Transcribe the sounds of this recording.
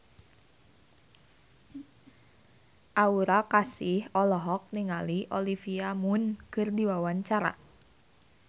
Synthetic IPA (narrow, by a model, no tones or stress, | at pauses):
ʔauɾakasihɔlɔɦɔk̚niŋaliʔɔlifiamunkɨrdiwawaɲt͡ʃaɾa̰